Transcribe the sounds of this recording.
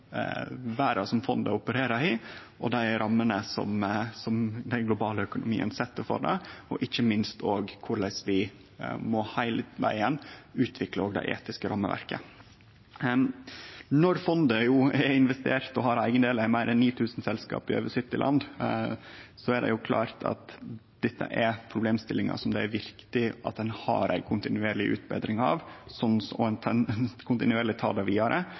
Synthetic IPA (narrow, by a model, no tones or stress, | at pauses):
ʋæːɾɑsɔmfɔnd̪əʊpəɾeːɾəɾɪ | ɔ̰d̪æɪɾʔɑmːənəsɔ̰msɔmd̪ɛnɡlʊbɑːləœkʊnʊmḭːə̰nsɛt̪ːəfɔ̰ɖɛ̰ɔʔɪçəmɪnst̪oːɡkʰʊɾlæɪsʋɪ | mɔhæɪləʋæ̰ɪənːʉːt̪ʰʋɪkləoːɡd̪ɛ̰ɪʔḛːt̪ɪskəɾʔɑmːə̰ʋæ̰ɾkə | nɔɾfɔnd̪əjuːɛɾɪnʋɛst̪eːɾt̪ɔɦɑɾæɪɡənd̪eːlæɪmæɪɾɛnnːiːt̪ʰʉːsn̩sɛlskɑ̰ːpɪø̰ːʋəsɪt̪ːɪlʔɑ̰nd̪ | sɔæd̪ɛ̰jʊkʰlɑ̰ːɾt̪ʰɑ̰t̪ | d̪̥ɛt̪ːə̰ʔɛɾpʰɾʊbleːmst̪ɪlːɪŋɑ̰sɔmd̪ɛæɾʋɪɾkt̪ɪʔɑ̰t̪̚d̪ɛnhɑ̰ːɾʔæ̰ɪkʰʊnt̪ɪnʉeːɾɭɪʔʉ̰ːt̪bḛːd̪ɾɪŋɑ̰ʋsɔnsɔnʰkʰʊnt̪ɪnʉeːɾlɪt̪ʰɑ̰ːd̪ɛʋiːd̪ɑɾʔə